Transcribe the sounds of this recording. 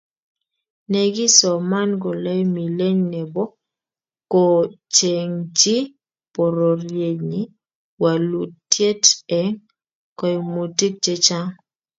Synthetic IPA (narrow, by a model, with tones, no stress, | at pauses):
nɛ˨ɡi˦sɔ˨ma˦nɡɔ˨lɛ˦jmi˨le˦ɲnɛ˨bɔ˦ | kɔ˨t͡ʃe˨ŋt͡ʃi˦ | pɔ˨ɾɔ˨ɾje˨ɲi˦ | wa˨lu˨ttːje˦tɛ˨ŋ | kɔ˨jmo˨ti˦k̚t͡ʃe˦t͡ʃa˦ŋ